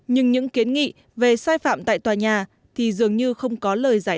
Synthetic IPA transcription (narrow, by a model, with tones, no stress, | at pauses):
ɲɨ˧ŋɲɨ̰˧˥ŋki˨˦ənŋḭ˧˨ | ve˨˩saː˧jfa̰ː˧˨mt̪a̰ː˧˨jt̪waː˨˩ɲaː˨˩ | t̪ʰi˨˩zɨ˨˩əŋɲɨ˧xə˧wŋ͡mkɔ˨˦ləː˨˩jzaː˧˩